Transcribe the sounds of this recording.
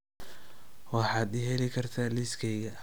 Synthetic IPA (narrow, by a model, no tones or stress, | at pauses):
wɑħɑːd̪ɪɦɛlɪkʰɐrt̪ʰaːliskʰɛːɣɐ